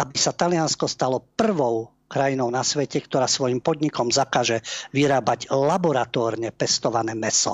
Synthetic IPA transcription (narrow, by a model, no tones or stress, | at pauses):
abisat̪alɪanskɔst̪alɔpr̩ʋɔʊ | kɾajinɔʊnasʋɛcɛkt̪ɔɾaːsʋɔjimpɔd̪ɲikɔmzakaːʒɛʋiɾaːbaɟlabɔɾat̪ɔːɾɲɛpɛst̪ɔʋanɛːmɛsɔ̰